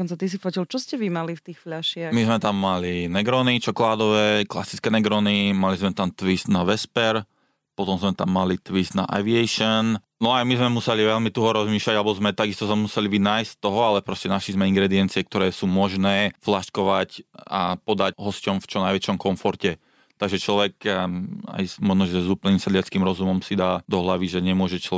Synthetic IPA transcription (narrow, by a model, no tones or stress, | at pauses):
ɔnt͡sat̪is̬ifɔcilt͡ʃɔscɛʋimalift̪iːxfʎaʃɪaxmizmɛt̪amːalinɛɡɾɔnit͡ʃɔkɔlaːd̪ɔʋɛːkla̰si̥t͡skɛːnɛɡɾɔnimalizmɛt̪amt̪ʋisd̪naʋɛspɛɾ | pɔt̪ɔmzmɛt̪amːalit̪ʋisd̪na̰ʔa̰ʋiɛjʃɔn | nɔajmizmɛmusɛliʋɛlmit̪uɦɔɾɔzmiːʃlaɟalɛbɔzmɛt̪aɡist̪ɔzmɛmusɛliʋinaːjst̪ːɔɦɔalɛpɾɔscɛnaʃlizmɛiŋɡɾɛd̪iɛnt͡siɪɛk̚t̪ɔɾɛːsuːmɔʒnɛːflaʃkɔʋacapɔd̪acɦɔscɔmft͡ʃɔnajʋɛt͡ʃɔmkɔɱfɔɾcɛ | t̪aɡʒɛt͡ʃlɔʋɛk | a̰jmɔʒnɔʒɛzuːplnimsad̪lɪat͡skiːmɾɔzumɔmsid̪aːd̪ɔɦlaʋiʒɛɲɛmʊɔʒɛt͡ʃlɔ